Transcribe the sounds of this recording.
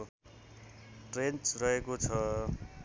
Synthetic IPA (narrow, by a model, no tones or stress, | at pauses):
ʈrent͡srʌɦekot͡sʰʌ